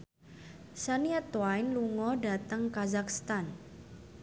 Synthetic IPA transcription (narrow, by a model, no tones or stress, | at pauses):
saniat̪wajnluŋɔda̤t̪əŋkazakst̪an